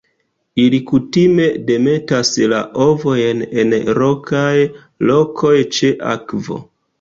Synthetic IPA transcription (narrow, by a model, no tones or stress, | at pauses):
ilikutime̞de̞me̞taslaʔovo̞jne̞nɾo̞kaj | lo̞kʰo̞jt͡ʃe̞ʔa̰kvo̞̰